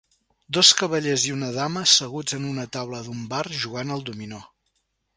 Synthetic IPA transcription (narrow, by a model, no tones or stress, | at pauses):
d̪oskəβəʎeziunəðaməsəɣud͡zənunət̪awləðumbarʒuɣanəlˠd̪umino